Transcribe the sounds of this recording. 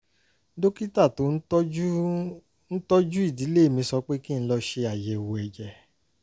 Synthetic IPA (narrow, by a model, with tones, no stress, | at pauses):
do˦ki˦ta˦˨to˨˦n̩˦ | n̩˦tɔ˦d͡ʒu˦i˦˨di˨˦le˦˨mĩ˧˦sɔ˧k͡pe˦ki˦ñ̩˦lɔ˧ʃe˧a˨jɛ˨wo˨ɛ˨d͡ʒɛ˨